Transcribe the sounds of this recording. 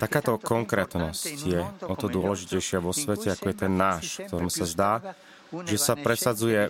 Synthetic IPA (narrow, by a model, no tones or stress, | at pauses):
t̪akaːt̪ɔkɔŋkɾɛːt̪nɔscjɛɔt̪ɔd̪ʊɔlɛʒicɛjʃɪaʋɔsʋɛcɛakɔjɛt̪ɛnːaːʃkt̪ɔɾɛmsazd̪aː | ʒɛsapɾɛsad͡zujɛ